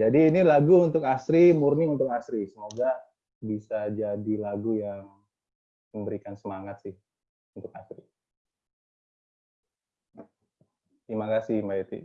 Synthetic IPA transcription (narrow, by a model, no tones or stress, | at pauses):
d͡ʒadiːnilaɡuunt̪ʊkasɾimurniunt̪ʊk̚asɾisəmoɡa | bisad͡ʒadilaɡujaŋ | məmbəɾikansəmaŋat̪̚sɪh | unt̪ʊk̚asɾi | imakasɪhmbait̪ḭ